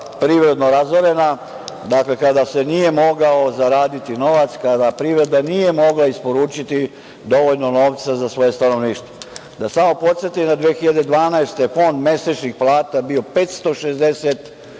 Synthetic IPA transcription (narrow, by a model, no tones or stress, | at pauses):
pɾiːʋɾe̞d̪no̞ɾazoɾe̞na | d̪akle̞kad̪ase̞nije̞mo̞ɡao̞zaɾaːd̪it̪ino̞ʋat̪skad̪apɾiʋɾe̞d̪anije̞mo̞ɡlaispo̞ɾuːt͡ʃit̪i | d̪o̞ʋoʎno̞no̞ːʋt̪sazasʋo̞je̞st̪ano̞ʋniːʃt̪o | d̪asamo̞po̞t̪sjet̪imd̪ad̪ʋeexiʎad̪e̞d̪ʋaːnaest̪efo̞nd̪me̞set͡ʃnixplˠaːt̪abio̞pet̪st̪o̞ʃezd̪e̞set̪